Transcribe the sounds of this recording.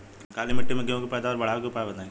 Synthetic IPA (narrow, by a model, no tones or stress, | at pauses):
kaːlimɐʈːemeɡejõkepɛːd̪aɔːɾbɐɽ̤aːekepaːebɐt̪aːẽ